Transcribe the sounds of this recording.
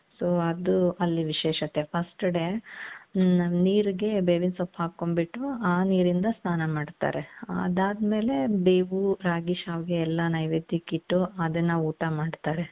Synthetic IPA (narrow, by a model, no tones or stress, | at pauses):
soːɐd̪uɐlːiʋiʃeːʃɐt̪epʰɐsʈɐɽe | niːɾɡe̞beːʋinsopːaːɡ̚kːombiʈːuaːniːɾind̪ɐsnaːnɐmaːɖt̪a̰ːɾeɐ̰d̪aːd̪me̞ːle̞beːbuɾaːɡiʃaːʋɡeːlːɐnɐjʋed̪ʱikiʈːuɐd̪ɐnːɐuːʈɐmaːɖt̪aːɾe̞